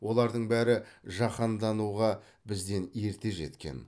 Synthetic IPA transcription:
wo̞lˠɑɾd̪əɴbæɾɪʒɑqɑnd̪ɑnuʁɑ | bɪzd̪e̞ne̞ɾt̪e̞ʒe̞̰t̪kʲe̞̰n

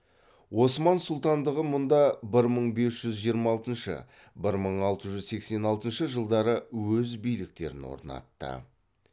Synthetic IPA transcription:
wo̞smɑnsʊlˠt̪ɑnd̪əʁəmʊnd̪ɑbɪɾməɴbe̞sʒ̥ʏzʒijəɾmɑɑlˠt̪ənʃə̰ | bɪɾməɴɑlˠt̪əʒʏzse̞kse̞nɑlˠt̪ənʃəʒəlˠd̪ɑɾəwɵzbijlɪk̚t̪e̞ɾɪnwo̞̰ɾnɑ̰t̪ːə̰

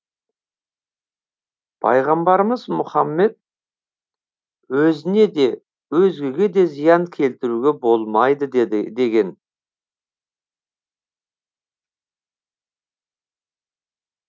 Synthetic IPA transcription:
pʰɑ̰jʁɑmbɑɾəməzmʊχɑmːe̞t̪̚ | wɵzɪne̞d̪e̞ | wɵzɡʲe̞ɡʲe̞d̪e̞zijɑŋkʲʰe̞lt̪ɪɾuɡʲe̞bo̞lˠmɑjd̪əd̪e̞ɡʲe̞n

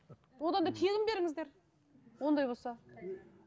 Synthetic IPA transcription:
wo̞d̪ɑnd̪ɑt̪ʰeɡʲɪmbe̞ɾɪŋɪzd̪e̞ɾ | wo̞nd̪ɑjbo̞lˠsɑ

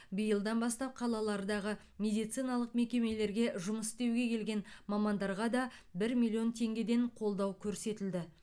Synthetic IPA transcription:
bəjəlˠd̪ɑnbɑst̪ɑp̚qʰɑlˠɑlˠɑɾd̪ɑʁə | mʲe̞d̪ijt̪sɨjnɑlˠəqme̞kʲe̞me̞le̞ɾɡʲe̞ʒʊməsst̪e̞wɡʲe̞kʲʰe̞lɡʲe̞nmɑmɑnd̪ɑɾʁɑd̪ɑbɪɾmilʲːio̞nt̪ʰe̞ŋɡʲe̞d̪e̞ɴqʰo̞lˠd̪ɑwkʲʰɵɾse̞t̪ɪld̪ɪ

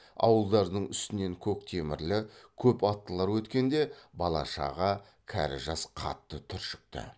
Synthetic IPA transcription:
ɑ̰wəlˠd̪ɑɾd̪əɴʏst̪ɪne̞ŋkʲʰɵk̚t̪ʰe̞mɪɾlɪkʲʰɵpɑt̪ːəlˠɑɾwɵt̪kʲe̞nd̪e̞bɑlˠɑ̰ʃɑ̰ʁɑ | kʲʰæ̰ɾɪ̰ʒɑsqʰɑ̰t̪ːət̪ʰʏɾʃɪ̥k̚t̪ɪ̰

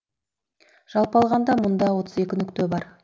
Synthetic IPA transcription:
ʒ̥ɑlˠpɑlˠʁɑnd̪ɑmʊnd̪ɑwo̞t̪əze̞kʲɪnʏkt̪øbɑɾ

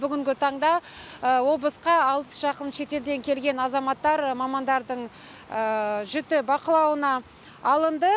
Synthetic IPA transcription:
bʏɡʲɪŋɡʲɪt̪ʰɑɴd̪ɑəwo̞blˠəsqɑːlˠə̥sʒ̥ɑqənʃe̞t̪e̞ld̪e̞ŋkʲʰe̞lɡʲe̞nɑzɑmɑt̪ːɑɾmɑmɑnd̪ɑɾd̪əɴ | əʒʏt̪ɪbɑqəlˠɑwənɑː | lˠənd̪ə

